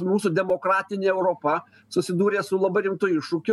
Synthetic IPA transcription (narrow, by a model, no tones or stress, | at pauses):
muːsuːd̪ʲɛmoːkɾɑːt̪ʲɪnʲeːɛʊɾoːpɐ | sʊsʲɪd̪uːɾʲeːsʊlˠɐbɐɪɾʲɪmt̪ʊɪʃʊːkʲʊ